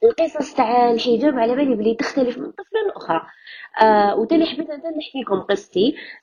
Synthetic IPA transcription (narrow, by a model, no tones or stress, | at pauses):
əlqəsˤɑsˤt̪aʕlħəd͡ʒæbʕalæmæliblit̪əxt̪æləfmənt̪ˤːəflənʔʊxɾˤɑ | wt̪æniħabət̪ʔænt̪ænləħkikʊmqəsˤːt̪i